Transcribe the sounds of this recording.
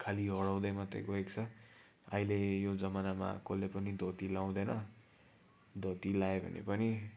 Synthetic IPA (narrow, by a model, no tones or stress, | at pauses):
kʰaliɦʌɽaw̃d̪ʌjmat̪rḛɡoekt͡sʰʌ | ailejod͡zʌmanama̰kolːepʌnid̪ʱot̪ilaw̃d̪ʌjnʌ | d̪ʱot̪ilaebʱʌ̰nḛpʌni